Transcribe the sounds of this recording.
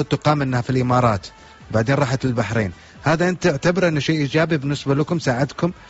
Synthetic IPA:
ʊt̪ːʊqɑːmʔɪnːhafilʔɪmɑːɾˤɑːt̪ | baʕd̪eːnɾˤɑːħat̪ɪlbaħɾeːn | haːðaʔɪnt̪ɪʕt̪abɪɾʔɪnːʃeːʔiːd͡ʒaːbibɪnːɪsbalakʊmsaːʕɪd̪kʊm

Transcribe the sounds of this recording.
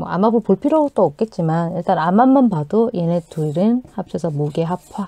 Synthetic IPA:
mo̰a̰mabupoɭpʰiɾʌot͈ook̚k͈e̞t̚t͡ɕ͈imaniɭt͈anamanmanpadojenetuɾɯnhap̚ɕ͈ʰesʰʌmoɡeɦapʰwa

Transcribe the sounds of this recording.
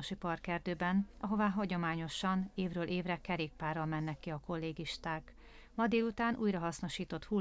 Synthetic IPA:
oʃipɒrkɛrd̪øːbɛnʔɒɦo̞vaːɦɒɟo̞maːɲo̞ʃɒneːvrøːlʔeːvrɛkɛɾeːk̚paːrːɒlmɛnːɛkːiɒko̞lːeːɡiʃt̪aːk | mɒd̪eːlut̪aːnʔṵːjrɒɦɒsno̞ʃiːt̪o̞t̪hu

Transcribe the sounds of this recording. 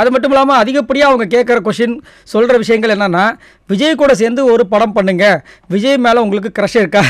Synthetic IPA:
ɐðɯmɐʈːɯmɪlːaːmɐɐðɪɣɐpːɐɽɪjaːɐʋɐŋɡɐk̬eːʈ̚kɐɾɐk̬ɔʂɪn | sɔlrɐʋɪʂɐjɐŋɡɐɭɛnːɐnːaː | ʋɪd͡ʒɐjɐkːuːɽɐs̬eːɾnd̪ɯɔɾɯpɐɽɐmpɐɳːɯŋɡɐ | ʋɪd͡ʒɐjɐmeːlɐʊŋɡɐɭɯk̬ːɯkɪɾɐʂɐɪɾɯkːaː

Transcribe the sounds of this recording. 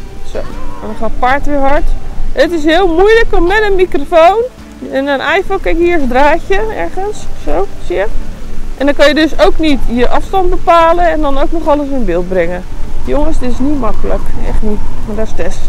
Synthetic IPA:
so̰wɛndɔχaːtpaɹtʋɪːɹɦɔɹtətɪsɦɪəlˠmujləkɔmmɛtənmikrofown | ɛnənʔɛjfokɛkjiːɹsdraːcəɛ̰ɹɣənssowsiəʔɛndɔnkɑnjədøsowknitjəʔɑfstɑnt̚bəpaːləɛndɔnowknɔχɔləsɪnbɪːlˠt̚brɪŋə | joŋəsdɪtɪsnitmɑkələkɛ̰xtnitmaɹdɔstɛst

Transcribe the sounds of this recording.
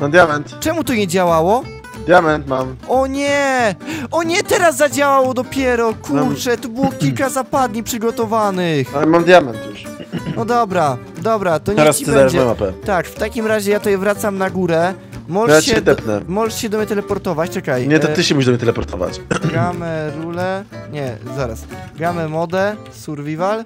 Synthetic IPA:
mamd̪ʲjamɛnt̪t͡ʂɛmut̪ɔɲɛd͡ʑawawɔ | d̪jamɛnt̪mamɔɲɛ | ʔɔɲɛt̪ɛɾasːad͡ʑawawɔd̪ɔpʲjɛɾɔkuɾt͡ʂɛt̪ɔbɘwɔkʲilkazapad̪ɲipʂɨɡɔt̪ɔvanɘxalɛmamd̪ʲjamɛnt̪jɛʂɔd̪ɔbɾa | d̪ɔbɾat̪ɔɲaɾasiɨzaɾasɛmapɛt̪akft̪akʲimɾaʑɛjat̪ɔjɛvɾat̪samnaɡuɾɛ | mɔʐɛʂaɕɛɛt̪ɛpnɛ̰mɔʐɛʂɕɛd̪ɔmɲɛt̪̬ɛlɛpɔɾt̪ɔvat͡ɕt͡ʂɛkajɲɛɔt̪ɘɕɛmuʃiɕd̪ɔmɲʲjɛt̪ɛlɛpɔɾt̪ʰɔ̰va̰t͡ɕɡamɛɾulɛɲɛzaɾa̰sɡamɛmɔd̪ɛ | suɾvʲival

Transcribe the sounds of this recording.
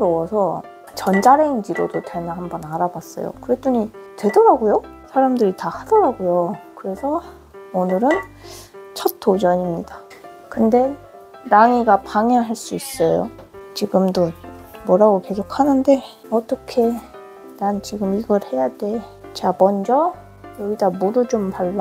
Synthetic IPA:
ɯɾowʌsʰʌ | t͡ɕʌnd͡ʑaɾeŋd͡ʑiɾodotwenahambʌnaɾabas͈ʌjo̰kɯɾe̞t͈uɲitwe̞dʌɾaɡojo | sʰaɾamdɯɾitahad̥ʌɾaɡojokɯɾe̞sʰʌ | onɯɾɯn | t͡ɕʰʌt̚t͈ʰod͡ʑʌɲimɲida | kɯnde̞ | naŋiɡapaŋʌŋɦaɭs͈uis͈ʌjo̰t͡ɕiɡɯmdo | mʌɾaɡoke̞sʰokʰanɯnde̞ | ʌt͈ʌkʰe̞ | ɾant͡ɕiɡɯmiɡʌɭhe̞jade̞t͡ɕeamʌnd͡ʑʌ | jʌɡidamodut͡ɕompaɭː

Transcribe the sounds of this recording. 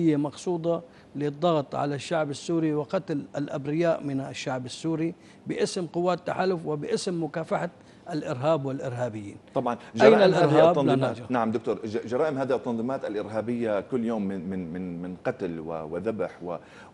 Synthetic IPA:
ɪjːamɑqsˤuːd̪ˤɑ | lɪd̪ˤːɑɣt̪ˤʕa̰laʃːaʕbasːuːɾiwɪqɑt̪lalʔabɾɪjaːʔmɪnaʃːaʕbasːuːɾi | bɪʔɪsmqʊwːaːt̪ːaħaːlʊfwɪbɪʔɪsmːʊkaːfaħa | alʔɪɾɦaːbwɪlʔɪɾɦaːbɪjːḭːnt̪ˤɑbʕɑnd͡ʒʔajːnalʔɪɾhaːb̪ːɑnlanaːd͡ʒnaʕamd̪ʊkt̪oːɾʒɑɾˤaːʔɪmhaːðit̪ˤːɑnðˤiːmaːt̪alʔɪɾɦaːbɪjːakʊlːjoːmːɪmɪnmɪnmɪnqɑt̪lwɪ̰wɪðabħwɪ̰

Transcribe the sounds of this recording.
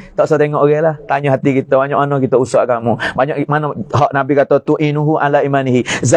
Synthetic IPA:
t̪ɔʔsɔt̪eŋɔʔoɣɛlaht̪aɲuɦat̪ikit̪əbaɲɔʔmanɔkit̪əusaʔkamubaɲɔʔmanɔɦɔʔnabikat̪ot̪uʔinuɦuʔalaimaniɦiza

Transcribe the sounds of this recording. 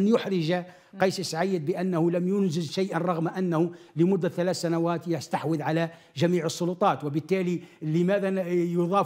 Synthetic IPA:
njʊħɾɪʒa | qɑjsisʕajːəd̪̚bəʔænːahulæmjʊnzɪzʃajʔanɾˤɑɣmaʔænːahuləmʊd̪ːæθælæːθsænawæːt̪jɪst̪aħwəðʕalæ | ʒæmiːʕəsˤːʊlʊt̪ˤɑːt̪wɪbət̪ːæːliləmæðæjʊðˤɑː

